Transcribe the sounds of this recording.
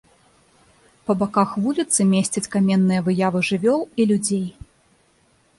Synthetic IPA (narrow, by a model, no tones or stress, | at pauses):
pɐbakaxvulʲit̪sɨmʲesʲt͡sʲɐt͡sʲkamʲɛnːɨjɐvɨjavɨʐɨvʲɔlˠilʲud͡zʲej